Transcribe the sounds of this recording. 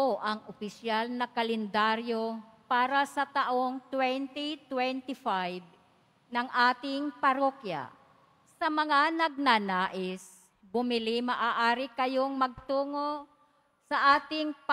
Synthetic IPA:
oʔɐŋʔopɪsjalnɐkɐlɛnd̪aɾjopaːɾɐsɐt̪ɐʔoŋt̪wɛnt̪it̪wɛnt̪ɪfajb̚ | nɐŋʔaːt̪ɪŋpɐɾokja̰ | sɐmɐŋanɐɡ̚nanaːʔɪs | bʊmɪlimɐʔaːʔaːɾɪkɐjo̞ŋmɐɡ̚t̪uːŋo | sɐʔaːt̪ɪŋp

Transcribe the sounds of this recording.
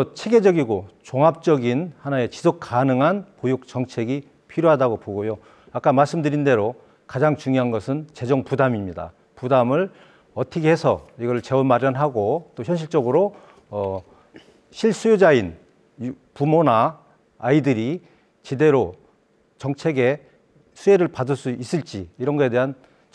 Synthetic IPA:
ʌt͡ɕʰe̞ɡe̞d͡ʑʌɡiɡot͡ɕoŋɦap̚t͡ɕ͈ʌɡinhanae̞t͡ɕi̥sʰok̚k͈anɯŋɦanpojuk̚t͡ɕʌŋt͡ɕʰe̞ɡi | pʰiɾjoɦadaɡopoɡojo | ak͈amaɭs͈ɯmdɯɾinde̞ɾo | kad͡ʑaŋt͡ɕuŋjoɦanɡʌsʰɯnt͡ɕe̞d͡ʑʌŋpudamimɲida̰ | pudamɯɭ | ʌtʰʌkʰeɦesʰʌ̰iɡʌɾɯɭt͡ɕe̞wʌnmaɾjʌnɦaɡot͈oçjʌnɕ̬ʰiɭt͡ɕ͈ʌɡɯɾo | ʌ | ɕʰiɭs͈ujod͡ʑain | pumonaː | idɯɾi | t͡ɕede̞ɾo | t͡ɕʌŋt͡ɕʰe̞ɡe̞ | sʰue̞ɾɯɭpadɯɭs͈uis͈ɯɭt͡ɕ͈iiɾʌnɡʌe̞de̞ɦan

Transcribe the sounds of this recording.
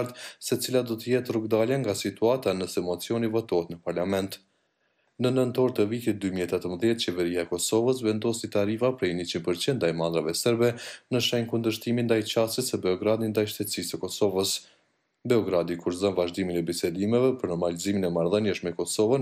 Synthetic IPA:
ɾt̪sɛt͡silad̪ɔt̪əjɛt̪rukd̪aljaŋɡasit̪uat̪anəsɛmɔt͡siɔnivɔt̪ɔɦɛt̪nəpaɾlamɛnt̪ | nənənt̪ɔɾt̪əvit̪it̪̚d̪ymiɛt̪ɛt̪əmðjɛt̪̚t͡ɕɛvɛɾiaɛkɔsɔvəs̬vɛnd̪ɔsit̪aɾifapɾɛjnət͡ɕinpəɾt͡ɕind̪d̪ajmand̪ɾavɛsɛɾbɛnəʃɛjnkund̪əʃt̪imind̪ajt͡ɕasisəbɛɔɡɾad̪ind̪ajʃt̪ɛt̪sisəkɔsɔvəs | bɛɔɡɾad̪ikuɾðɔnvaʒd̪iminɛbisɛd̪imɛvɛpəɾnɔɾmaliziminɛmaɾðənjəʃmɛkɔsɔvən

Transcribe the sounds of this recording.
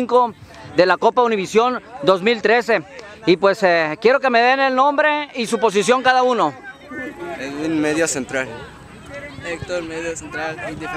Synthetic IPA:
ŋko̞ | ðe̞lako̞pauniβisjo̞nd̪o̞zmilt̪ɾe̞se̞ | ipwe̞sekje̞ɾo̞ke̞me̞ðe̞ne̞lnõ̞mbɾeisupo̞s̬isjo̞ŋkaðauno̞ | esunmeðjosent̪ɾal | ek̚t̪oɾmeðjosent̪ɾalid̪if

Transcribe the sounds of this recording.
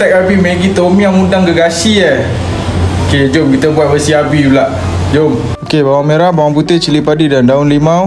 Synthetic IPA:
t̪ɛk̚abimeɡit̪omĩamundaŋɡəɡasiə | oked͡ʒomkit̪əbuat̪̚bəsiabilaʔ | d͡ʒom | okebawameɾabawaŋput̪et͡ʃilipadidandaʊnlima

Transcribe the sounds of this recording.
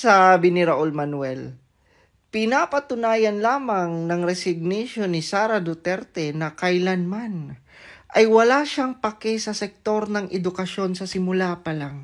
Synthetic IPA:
sabɪnɪɾaʔolmɐnwɛl | pɪnapɐt̪ʊnaːjɐnlaːmɐŋnɐŋɾɛsɪɡ̚niʃo̞nɪsaːɾɐd̪ʊt̪ɛɾt̪ɛnɐkɐjlɐnman | ʔɐjwɐlaːʃaŋpɐkɛsɐsɛk̚t̪o̞ɾnɐŋʔɛd̪ʊkɐʃo̞nsɐsɪmʊlapɐlaŋ

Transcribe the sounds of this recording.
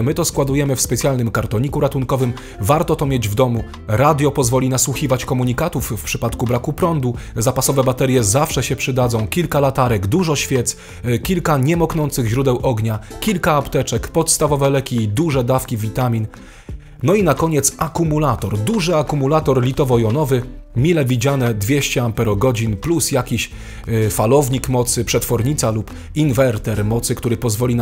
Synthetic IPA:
mɘt̪ɔskwad̪ujɛmɘfspɛt̪sʲjalnɘmkaɾt̪ɔɲikuɾat̪uŋkɔvɘm | vaɾt̪ɔt̪ɔmʲjed͡ʑvd̪ɔmu | ɾad̪ʲjɔpɔzvɔlʲinaswuxʲivat͡ɕkɔmuɲikat̪ufːpʂɘpat̪kubɾakupɾɔnd̪uzapasɔvɛbat̪ɛɾʲjɛzafʂɛɕɛpʂɘd̪ad̪zɔ̃w̃kʲilkalat̪aɾɛɡd̪uʐɔɕfʲjɛt̪s | kʲilkaɲɛmɔknɔnt̪sɘɣʑɾud̪ɛwʔɔɡɲakʲilkaːpt̪ɛt͡ʂɛkpɔt̪st̪avɔvɛlɛkʲiːd̪uʐɛd̪afkʲivʲit̪amʲinː | ɔinakɔɲɛt̪sakumulat̪ɔɾd̪uʐɘakumulat̪ɔɾlʲit̪ɔvɔjɔnɔvɘmʲilɛvʲid͡ʑanɛd̪vʲjeɕt͡ɕɛampɛɾɔɡɔd͡ʑinplusjakʲiɕ | falɔvɲikmɔt̪sɘpʂɛt̪fɔɾɲit̪salup | invɛɾt̪ɛɾmɔt̪sɘkt̪uɾɘpɔzvɔlʲin

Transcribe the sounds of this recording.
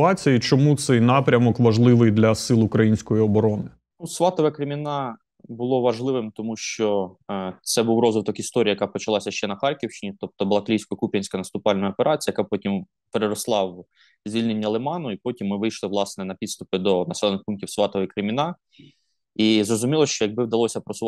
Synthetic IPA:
ɑt͡sʲijit͡ʃɔmut̪sɛjnɑpɾʲɐmɔkʋɐʒlˠɪʋɪjd̪lʲɐsɪlˠʊkɾɐjinʲsʲkɔjiɔbɔɾɔnɪ | nusʋɑt̪ɔʋɛkɾɪmʲinɑ | bʊlˠɔʋɐʒlˠɪʋɪmt̪ɔmuʃt͡ʃɔ | t̪sɛbuwrɔzʋɪt̪ɔkist̪ɔɾʲijɐjɐkɑpɔt͡ʃɐlˠɑsʲɐʃt͡ʃɛnɐxɑrʲkʲiwʃt͡ʃɪnʲit̪ɔp̚t̪ɔblˠɐklʲijsʲkɔjɐkupʲɐnʲsʲkɐnɐst̪ʊpɑlʲnɔjɐɔpeɾʔɑt͡sʲijɐkɑpɔtʲim | peɾeɾɔslˠɑw | zʲʋʲilʲnenʲːɐlˠɪmɑnʊipɔtʲimːɪʋɪjʃlˠɪʋlˠɑsnɛnɐpʲid̪st̪ʊpɪd̪ɔnɐsɛlˠɔnɪxpunkʲtʲiwsʋɑt̪ɔʋejkɾɪmʲɪnɑ | izɾɔzʊmʲilˠɔʃt͡ʃɔjɐɡ̚bɪwd̪ɐlˠɔsʲɐpɾɔsʊ

